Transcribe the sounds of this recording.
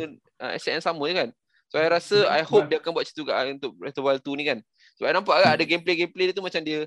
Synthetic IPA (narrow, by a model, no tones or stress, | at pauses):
ʔə̰ɛ̰saʔnsamə̃t̪ukan | soajɾasəa̰jhop̚diəakanbuat̪̚t͡ʃi̥t̪ukaʔunt̪ʊk̚ɾɛt̪əbalt̪unĩkan | səbanãmpaʔɡaʔadəɡempleɡemplediət̪umat͡ʃamdiə